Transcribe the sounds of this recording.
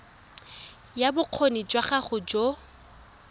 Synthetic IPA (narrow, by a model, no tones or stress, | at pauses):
jabʊq͡χʰonit͡ʃʼwaχaχʊd͡ʒo